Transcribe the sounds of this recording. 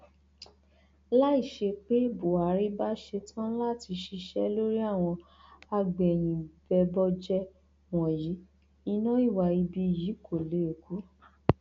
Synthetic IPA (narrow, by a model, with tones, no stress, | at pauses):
la˦i˦˨ʃe˧k͡pe˦bo˨a˨˦ɾi˦ba˦ʃe˧tʰã˦la˦˨ti˧ʃi˧ʃɛ˦lo˦ɾi˦a˦˨w̃ɔ̃˧ | a˧ɡ͡bɛ˨j̃ĩ˨bɛ˧bɔ˦d͡ʒɛ˦ | wɔ̃˨ji˨˦ | i˧nã˦i˦˨wa˧˨i˧bi˧˨ji˨˦ko˦˨le˨˦e˨ku˨˦